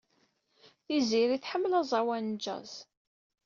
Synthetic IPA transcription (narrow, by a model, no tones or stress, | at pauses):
θiziɾiθħəmːlɑzˤɑwænd͡ʒæ̰z